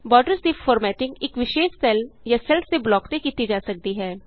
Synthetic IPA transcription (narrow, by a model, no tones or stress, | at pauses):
bɔːɖəɾsd̪ifɔːɾmɛːʈɪ̃ŋɡɪkʋɪʃeːʃsɛljasɛlseblɔːkt̪ekiːt̪id͡ʒaːsɐk̚d̪iɦɛː